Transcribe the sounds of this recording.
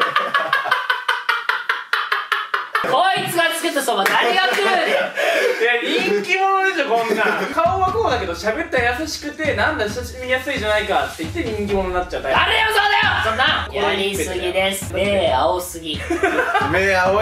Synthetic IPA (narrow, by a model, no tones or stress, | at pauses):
koit͡sɨɡat͡sɨ̥ket̪asomad̪aɾejasɯ | jaɲĩŋŋkʲimo̞no̞d̪e̞ɕo̞ːkõ̞nːakaoβakoːd̪ake̞d̪o̞ɕabe̞t̪ːajasaɕi̥kɯ̟t̪e̞nãnd̪aɕaɕimʲijasɨid͡ʑanaikat̪ːe̞it̪ːeɲ̟ĩŋkʲimo̞nonat͡ɕːat̪ːaaɾejosoːd̪ajosonːakjaisɨɡʲid̪esɨ̥meːaosɨɡʲi | meːao